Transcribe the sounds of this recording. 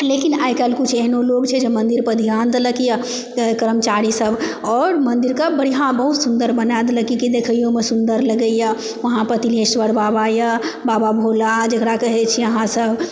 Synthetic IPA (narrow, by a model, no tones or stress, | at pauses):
leːkinaːikəlkʊt͡ʃʰɛɦnoloːɡt͡ʃʰɛd͡ʒemə̃nd̪iɾpəd̪ʱijãːnd̪ləkija | kəɾəmt͡ʃaːɾisəb | ɔːɾmə̃nd̪iɾkabəɽijãbəɦut̪sʊ̃nd̪əɾbənad̪ləkikid̪eːkʰəjõmẽsʊ̃nd̪əɾləɡəija | ʋɐɦãpət̪ilesʋəɽbaːbajabaːbabʱoːlad͡ʒekɾakəɦet͡ʃʰijɐɦãsəb